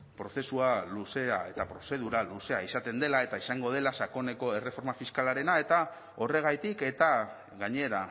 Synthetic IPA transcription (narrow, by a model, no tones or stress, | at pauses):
pɾo̞θe̞sualuse̞ae̞t̪apɾo̞se̞ð̞uɾaluse̞aisat̪e̞nd̪e̞lae̞t̪aisaŋɡo̞ð̞e̞lasako̞ne̞ko̞e̞re̞fo̞ɾmafiskalaɾe̞nae̞t̪a | o̞re̞ɣ̞ajt̪ike̞t̪a | ɣaɲe̞ɾa